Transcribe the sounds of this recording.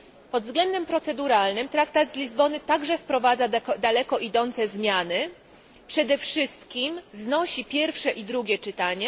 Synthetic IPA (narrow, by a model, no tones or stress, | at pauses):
pɔd̪vzɡlɛnd̪ɛmpɾɔt̪sɛd̪uɾalnɘmt̪ɾakt̪ad̪zlʲizbɔnɘt̪aɡʐɛfpɾɔvad̪zad̪alɛkɔʔid̪ɔnt̪sɛzmʲjanɘ | pʂɛd̪ɛfʂɘst̪kʲimznɔɕipʲjɛɾfʂɛʔid̪ɾuɡʲjɛt͡ʂɘt̪aɲɛ